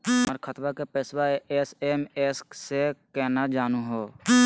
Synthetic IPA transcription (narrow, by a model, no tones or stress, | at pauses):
məɾkʰət̪bakepeːswaeseːmeːssekɛːnad͡ʒaːnũɦoː